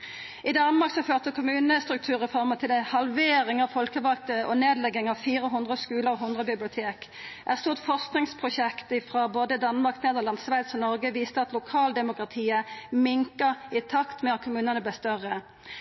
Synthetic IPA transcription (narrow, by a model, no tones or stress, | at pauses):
ɪd̪ɑnmɑʁksɔføːʁt̪əkʰʊmʉːnəst̪ʁʉkt̪ʰʉːʁəfɔʁmət̪ʰɪlɛhɑlʋeːɾɪŋɑʋfɔlkəʋɑk̚t̪əʔɔneːd̪lɛɡːɪŋɑʋfiːʁəɦʊnd̪ʁəskʉːləʁɔɦʊnd̪ʁəbɪblɪʊt̪ʰeːk | ʔæst̪uːʁt̪fɔʁsknɪŋspʰʁʊɕɛkt̪ɪfʁɑboːd̪əd̪ɑnmɑʁkneːd̪əlɑnsʋæɪd̪sɔnɔʁɡəʋiːst̪əɑt̪lʊkʰɑːld̪ɛmʊkʁɑt̪ʰiːəmɪŋkəʁɪt̪ʰɑkt̪mɛɑt̪̚kʰʊmʉːnənəblɛst̪œʁːə